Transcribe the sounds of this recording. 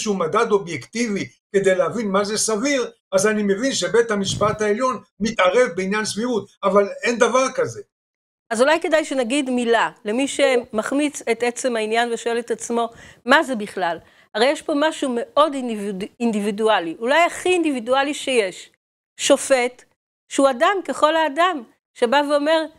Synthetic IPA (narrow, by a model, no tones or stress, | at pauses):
ʃuumad̪ad̪o̞bjekt̪ivi | ke̞d̪e̞jlehavinmazesaviʁ | azanimevinʃebet̪hamiʃpat̪haeljo̞n | mit̪aʁe̞vbeinjansviut̪avalend̪avaʁkaze | azulajkedajʃenaɡid̪milale̞miʃemaχmit͡set̪et͡se̞mhainjanveʃo̞e̞let̪at͡smo̞maze̞biχlal | haʁejeʃpo̞maʃume̞ʔo̞dvind̪ividualiʔulajaχiːnd̪ividualiʃeje̞ʃ | ʃo̞fe̞t | ʃeuadamke̞χo̞laːdam | ʃe̞baveo̞me̞ʁ